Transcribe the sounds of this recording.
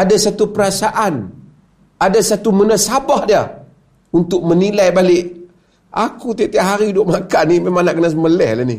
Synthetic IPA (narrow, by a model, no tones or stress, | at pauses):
adasat̪upəɾasaʔan | adasat̪umənəsabahdia | unt̪ʊk̚mənilajbalɪʔ | a̰kut̪it̪ɛaʔɦaɾidoʔmakanimemaŋnaʔkənasəməlɛhlanḭ